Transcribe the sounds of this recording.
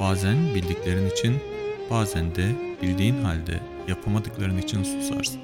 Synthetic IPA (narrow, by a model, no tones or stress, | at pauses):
baːzænbilʲːicʲlʲe̞ɾinit͡ʃʰinb̥aːzænd̪ɛb̥ilʲd̪iːnɦalʲd̪ɛ̰ | japʰamad̪ɯklˠaɾɯnit͡ʃʰinsu̥sa̰ɾs